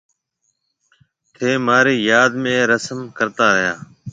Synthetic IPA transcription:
t̪ʰeːmaːɾiːjaːd̪mẽːɾəsəmkəɾt̪aːɾəɦjaː

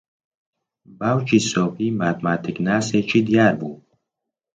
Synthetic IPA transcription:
bawt͡ʃʰisɔpʰimat̪mat̪ʰiknaset͡ʃʰid̪ijaɾbu

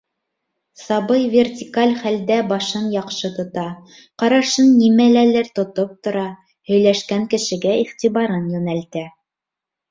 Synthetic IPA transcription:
sɑbɤjvʲert̪ʲikalʲχæld̪æbɑʃɤnjɑqʃɤt̪ŏt̪ɑ | qɑɾɑʃɤnːimælælɘɾt̪ŏt̪op̚t̪ŏɾɑ | hɵ̆jlæʃkæŋkɘ̆ʃɘ̆ɡæiχt̪iβɑɾɤnjɵ̆nælt̪æ

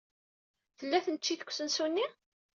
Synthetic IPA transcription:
θəlːæθənt͡ʃːiθə̥kʷːsənsunːi

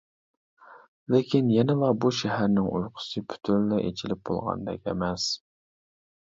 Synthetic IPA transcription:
lekʲʰinjɛnɪlˠɑbuʃɛɦæɾnɪŋṵjqʰʊ̥sɨpʰy̥t̪ʰynlɛʔet͡ʃʰilɪp̚bo̰lˠʁɑ̰nd̪ɛ̰kʲɛ̰mɛs

